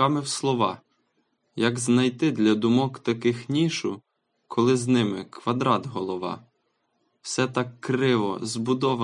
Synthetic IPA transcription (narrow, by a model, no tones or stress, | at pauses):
ɑmɪwslˠɔʋɑ | jɐɡznɐjt̪ɪd̪lʲɐd̪ʊmɔkt̪ɐkɪxnʲiʃʊ | kʰɔlˠɪznɪmɪkʋɐd̪ɾɑd̪ɦɔlˠɔʋɑ̰ | w̥sɛt̪ɑkːɾɪʋɔ̰zbʊd̪ɔʋɐ